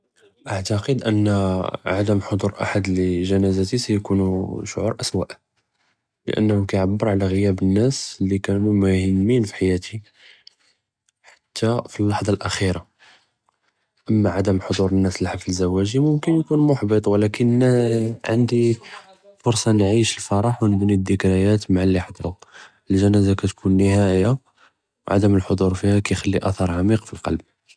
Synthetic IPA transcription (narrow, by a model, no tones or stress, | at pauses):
ʔaʕt̪ɑqəd̪ʔənːʕad̪əmħod̪ˤuɾˤʔa̰ħad̪ləʒænæzæt̪isæjkunuʃoʕuɾˤʔæswæ̰ʔ | lə̰ʔə̰nːhʊmkæjʕabːəɾˤʕalæɣəjæbənːæslːikænumæhəmːinfi̥ħajæt̪i | ħḁt̪ʰːæfilːɑħd̪ˤɑlʔæxiɾa | ʔəmːaʕad̪əmħod̪ˤuɾənːæslħafəzːæwːæʒimʊmkənjkunmʊħbit̪ˤwlækən | ʕə̰nd̪i | fʊɾsˤɑnʕiʃəlfɑɾˤɑħwnəbnid̪ːəkɾæjæt̪maʕalːiħɑd̪ˤɾu | əlʒænæzakæt̪kʰunːəhæjːa | wʕa̰d̪əməlħod̪ˤuɾˤfihækæjxælːiʔæθɑɾˤʕamiqfilqɑ̰lb̚